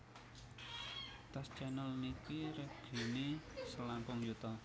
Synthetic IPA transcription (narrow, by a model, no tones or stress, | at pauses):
t̪ast͡ʃanɔlnikiɾɛɡ̥i̤nisəlampʊŋjut̪ɔ